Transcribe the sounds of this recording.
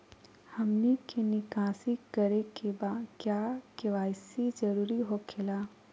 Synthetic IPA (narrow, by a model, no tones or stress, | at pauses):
hɐmnikenɪkaːsiɡəɾekebaːd̪kjaːkeʋaːjsid͡ʒɐɾuːɾiɦokʰelaː